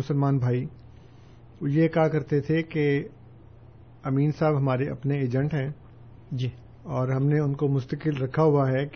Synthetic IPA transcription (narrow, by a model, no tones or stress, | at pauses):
ʊsəlmaːnbʱaːi | jekakɐɾt̪et̪ʰeke | ɐmiːnsaːbɦɐmaːɾeʔɐ̰pneeːd͡ʒə̃ɳʈɦɛ̃ː | ɔːɾɦɐmneʊnkomʊst̪əkɪlɾɐkʰaɦʊaɦɛk